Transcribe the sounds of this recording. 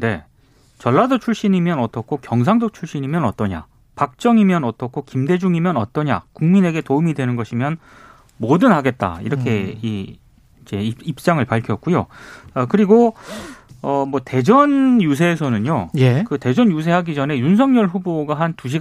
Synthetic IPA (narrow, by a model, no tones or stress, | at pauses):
de̞ | t͡ɕʌɭːadot͡ɕʰuɭɕ͈inimjʌnʌt͈ʌkʰokjʌŋs̬ʰaŋdot͡ɕʰuɭɕ͈inimjʌnʌt͈ʌɲa̰ | pak̚t͡ɕ͈ʌŋimjʌnʌt͈ʌkʰokimde̞d͡ʑuŋimjʌnʌt͈ʌɲa̰kuŋmine̞ɡe̞toumidwe̞nɯnɡʌɕʰimjʌn | modɯnɦaɡe̞t̚t͈a̰ḭɾʌkʰe̞i | d͡ʑe̞ip̚t͡ɕ͈aŋɯɭpaɭkʰjʌk̚k͈ujo̰ʌkɯɾiɡo | ʌmwʌte̞d͡ʑʌnjus̬ʰe̞ːsʰʌnɯɲjojekɯte̞d͡ʑʌnjus̬ʰe̞ɦaɡid͡ʑʌne̞juns̬ʰʌŋɲʌɭɸuboɡaɦantuɕ̬ʰi